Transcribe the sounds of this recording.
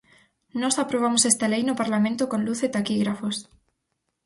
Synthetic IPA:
nosapɾoβ̞amosest̪alejnopaɾlamẽnt̪okonluθet̪akiɣɾafos

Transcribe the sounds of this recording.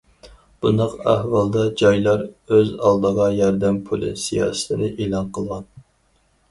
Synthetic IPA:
b̥und̪ɑqæ̰hvɑlˠd̪ɑd͡ʒɑjlˠɑɾøzɑ̰lˠd̪əʁɑjɑɾd̪ɛmpʰulˠɨ̰sijɑ̰ːsə̥t̪ʰɪnɨʔeːlˠɑnqʰəlˠʁɑn

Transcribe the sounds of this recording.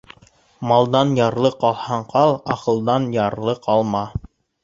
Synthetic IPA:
mɑlˠd̪ɑnjɑɾlˠɤqɑlˠhɑɴqʰɑlˠɑqɤ̆lˠd̪ɑnjɑɾlˠɤqʰɑlˠmɑ

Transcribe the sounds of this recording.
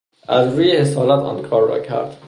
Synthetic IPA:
ʔæzɾuːjehesɒːlæt̪ʰɒ̰ːnkʰɒːɾːɒ̰ːcʰæ̰ɾd̪̥

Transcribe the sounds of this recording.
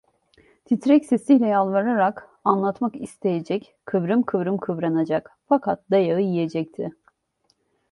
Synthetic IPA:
t̪ʰit̪ɾɛcsɛsijlʲɛjalˠvaɾaɾak | anlˠat̪makist̪ʰe̞jed͡ʒɛc | kʰːɯvɾɯmkʰɯvɾɯmkʰɯvɾanad͡ʒakfakʰat̪̚d̪ajaɯjijed͡ʒɛc̚t̪ʰɪ

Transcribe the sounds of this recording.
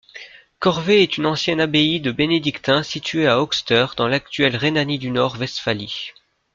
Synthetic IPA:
kɔʁveɛt̪ynɑ̃sjɛnabeid̪əbened̪ikt̪ɛ̃sit̪ɥeaɔkst̪œʁd̪ɑ̃lak̚t̪ɥɛlʁenanid̪ynɔʁvɛst̪fali

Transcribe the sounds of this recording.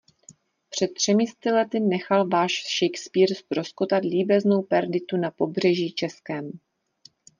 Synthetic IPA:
pr̝̥ɛt̪̚tːr̝̥ɛmɪst̪ɪlɛt̪ɪnɛxalvaːʃʃɛjkspiːɾst̪ɾo̞skot̪at̪liːbɛzno̞wpɛɾdɪt̪unapo̞br̝ɛʒiːt͡ʃɛskɛːm

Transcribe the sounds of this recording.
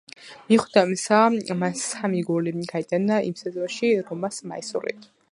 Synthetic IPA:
miχwd̪amisamansamiɡuliɡ̥ait̪ʼɛnaḭmsɛzɔnʃiɾɔmasma̰isṵlḭt̪ʰ

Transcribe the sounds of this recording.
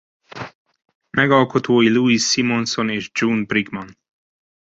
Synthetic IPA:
mɛɡɒlko̞t̪oːjiluisːimo̞nso̞neːʒd͡ʒunbriɡmɒn

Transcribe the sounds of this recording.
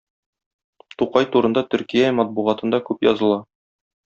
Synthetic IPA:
t̪uqɑjt̪uɾɤ̆nd̪ɑt̪ɵ̆ɾkijæmɒt̪̚buʁɑt̪ɤ̆nd̪ɑkʉpjɒ̰zɤ̆lˠɑ

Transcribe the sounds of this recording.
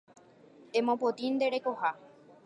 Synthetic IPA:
ẽmõpot̪ind̪e̞ɾekoha

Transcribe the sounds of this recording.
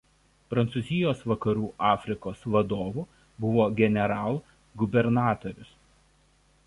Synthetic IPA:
pɾɐnt̪suzʲɪjoːsʋɐkɐɾuːʔɑːfʲɾʲɪkoːsʋɐd̪oːʋu | bʊʋoːɡʲɛnʲɛɾɑːlˠ | ɡʊbʲɛɾnɑːt̪oɾʲʊs

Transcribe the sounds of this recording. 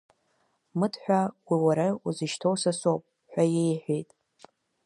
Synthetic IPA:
mɨdħᶣʷawiwaɾauzɨʃtʰowsasowpʼ | ħʷᶣajejħʷᶣejtʼ

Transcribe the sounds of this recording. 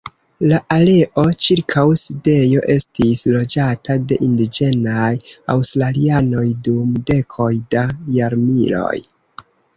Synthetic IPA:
laʔale̞ʔo̞t͡ʃiɾkʰawside̞jo̞ʔe̞stislo̞d͡ʒatade̞ʔindid͡ʒe̞naja̰wstɾaliano̞jdumde̞kʰo̞jdajaɾmilo̞̰j

